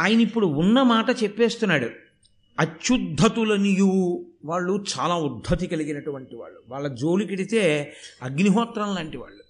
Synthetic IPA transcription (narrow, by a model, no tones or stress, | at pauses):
aːjɐnɐipːuɽuːnːɐmaːʈɐt͡ʃɛpːe̞ːst̪unːaːɽu | ɐt͡ʃʃud̪ʱːɐt̪ulɐnijuːʋaːɭːut͡ʃaːlaːud̪ʱːɐt̪ikɐliɡinɐʈuʋɐɳʈiʋa̰ːɭːuʋaːɭːɐd͡ʒo̞ːlikiɽit̪eːɐɡniɦɔːt̪ɾɐnlaːɳʈiʋa̰ːɭːu